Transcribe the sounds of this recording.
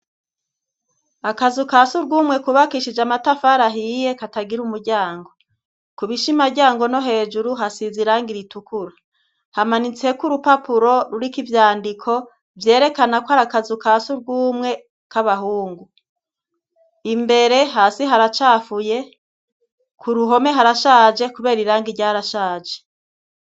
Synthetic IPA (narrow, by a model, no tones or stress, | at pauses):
akazukasuɾɡuːmŋe̞kuβakiʃid͡ʒamatafaɾaɦijekataɡiɾumuɾɟaːŋɡo̞ | kuβiʃimaɾɟaːŋɡo̞no̞ɦe̞ːʒuɾuɦasiziɾaŋɡiɾitukʰuɾa | hamanit͡se̞kuɾupapuɾo̞ɾuɾikivjaːndikʰo̞ | vje̞ːɾe̞kanakohaɾakazukaːsuɾɡuːmŋe̞ | kaβaɦuːŋɡu | imbe̞ɾe̞ɦaːsiɦaɾat͡ʃaːfuje̞ | kʰuɾuɦo̞me̞ɦaɾaʃaːd͡ʒe̞kuβe̞ːɾiɾaːŋɡiɾɟaːɾaʃaːd͡ʒe̥